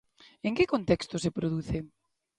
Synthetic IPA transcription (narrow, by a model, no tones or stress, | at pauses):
eŋkɪkont̪ɛkst̪osepɾoðuθe